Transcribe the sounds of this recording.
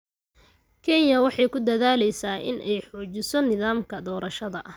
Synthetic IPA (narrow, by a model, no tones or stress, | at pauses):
kʰɛnjɐwɑħɑjkʰʊd̪ɐðaːlɛjsaːʔɪ̰nʔɛjħɔːt͡ʃɪsɔnɪðaːmkʰɐd̪ɔːɾɐʃɐðɐʔ